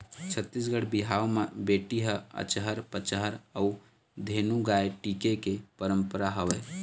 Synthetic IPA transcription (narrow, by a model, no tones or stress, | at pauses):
t͡ʃʰət̪ːisɡəɽbiɦawmebeʈiɦəə̰t͡ʃɦəɾpət͡ʃɦəɾəu | d̪ʱenuɡaeʈikekepəɾəmpəɾaɦəʋɛ